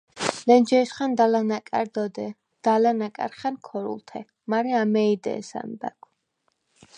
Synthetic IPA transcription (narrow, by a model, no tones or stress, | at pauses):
lɛnd͡ʒɛsχand̪alanakʼaɾd̪ɔd̪ɛ | d̪̥alanakʼa̰ɾχankʰɔɾṵlˠt̪ʰɛ | maɾɛamɛid̪ɛ̰ːsa̰nb̪a̰kʰ